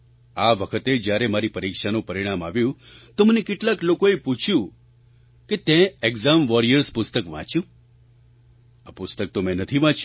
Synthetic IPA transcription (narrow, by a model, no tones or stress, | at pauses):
aʋəkʰət̪ed͡ʒjaɾemaɾipəɾikʃanũpəɾiɽ̃amaʋjũt̪omənekɪʈlaklokoeput͡ʃʰjũ | ket̪ɛ̃eɡzamʋɔɾijəɾspʊst̪əkʋã̰t͡ʃjũ | apʊst̪ək̚t̪omɛ̃nət̪ʰiʋãt͡ʃ